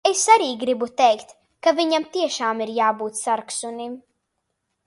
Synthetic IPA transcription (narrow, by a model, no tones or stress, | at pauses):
e̞saɾiːɡɾibut̪ejkt̪ | kaviɲamt̪iɛʃaːmiɾjaːbuːt̪saɾksunim